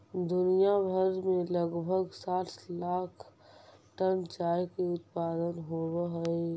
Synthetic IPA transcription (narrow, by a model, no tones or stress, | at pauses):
d̪ʊnijabʱəɾmẽləɡbʱəɡsaːt̪laːkʰʈənt͡ʃaːjkeʊt̪paːd̪ənɦobɦəe